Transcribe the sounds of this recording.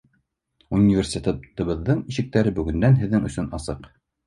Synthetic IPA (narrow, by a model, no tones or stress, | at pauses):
unʲːivʲersʲet̪ɑt̪ɤ̆βɤ̆ðːɤɴiʃɘ̆k̚t̪æɾɘbɵ̆ɡɵ̆nd̪ænɦɘ̆ðːɘŋɵ̆sɵnɑsɤq